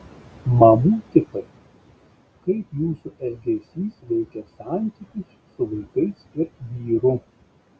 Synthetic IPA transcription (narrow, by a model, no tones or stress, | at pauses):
mɐmuːt̪ʲɪpɐɪ | kɐɪpjuːsʊʔɛɡʲɛsʲiːsʋʲɛɪkʲɛsɑˑnʲt̪ʲikʲʊsːʊʋɐɪkɐɪsɪɾʋʲiːɾʊ